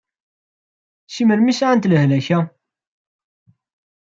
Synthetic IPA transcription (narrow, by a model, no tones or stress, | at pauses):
ʃiməɾmisʕant̪ləhlæçæ